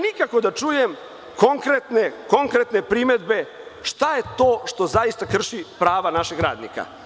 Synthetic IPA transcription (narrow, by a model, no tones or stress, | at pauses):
nikako̞d̪at͡ʂujem | ko̞ŋkɾet̪ne̞ko̞ŋkɾet̪nepɾime̞d̪be̞ | ʃt̪aje̞t̪o̞ːʃt̪o̞zajist̪akr̩ʃipɾaːʋanaʃeɡɾa̰ːd̪nḭka̰